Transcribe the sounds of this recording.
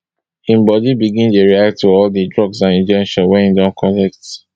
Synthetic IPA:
ĩmbɔdibiɡĩndeɹiak̚tːuɔldidɹɔɡsãnĩnd͡ʒɛ̃nʃɔ̃nwɛĩndãnkʰɔnɛk̚t

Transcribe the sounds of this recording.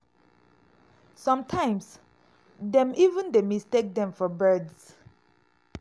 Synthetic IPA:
sɔ̃mtʰãɪ̃ms | dɛ̃mivə̃ndemistek̚dɛ̃mfɔbɜds

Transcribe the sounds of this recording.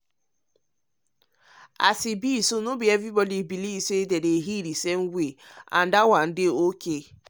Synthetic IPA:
a̰sibisonobievibɔlibiliisoededeɦiɾiseŋ̩ɡʷea̰n̩dawan̩dɪoke

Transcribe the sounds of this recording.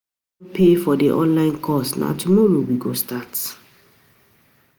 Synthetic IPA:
pʰefɔdeʔɔ̰̃nlãɪ̃nkʰɔsna̰tʰumɔɹowiɡostat

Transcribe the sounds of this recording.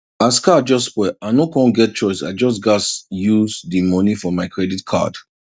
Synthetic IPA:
askʰad̚d͡ʒɔstːspwɛaɪnokɔ̃nɡɛt̚t͡ʃɔɪsa̰ɪd͡ʒɔs̬ɡɔtjuzdimɔnifɔmaɪkʰɹɛditkʰa̰d̥

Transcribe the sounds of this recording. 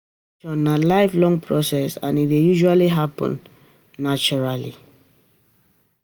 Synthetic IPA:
t͡ʃɔnalaɪflɔ̃ŋpʰɹɔsɛsã̰nitwejuʒualiɦapɔ̰̃nː | at͡ʃɔɹalḭ

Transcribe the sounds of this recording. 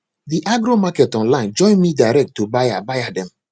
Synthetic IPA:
ðiʔaɡɾomakɛtɔ̃nlãɪ̃nd͡ʒɔ̃ɪ̃nmidaɪɾɛk̚tːubajabajadɛ̃m

